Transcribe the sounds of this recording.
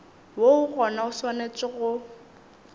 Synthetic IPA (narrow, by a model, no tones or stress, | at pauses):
woʊɣɔnaʊswanet͡sʼɪɣʊ